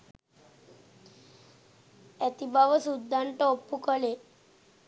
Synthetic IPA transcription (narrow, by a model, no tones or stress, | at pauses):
ɛt̪ibaʋəsud̪ːaɳʈɔpːukəɭe